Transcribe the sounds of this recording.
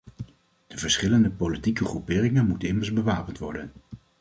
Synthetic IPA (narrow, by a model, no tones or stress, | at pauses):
d̥əvəɹsχɪləndəpolitikəχrupɪːrɪŋənmutənɪməɹzbəʋaːpəntʋɔ̰ɹdən